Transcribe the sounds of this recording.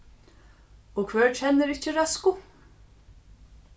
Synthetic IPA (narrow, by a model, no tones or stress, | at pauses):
ɔkʰvɛːɹcʰɛnːɪɾɪhcɪɾaskʊ